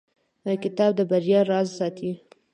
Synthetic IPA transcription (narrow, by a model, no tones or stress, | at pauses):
əkɪt̪ɑb̚d̪əbaɾjɑɾɑzsɑt̪ʰi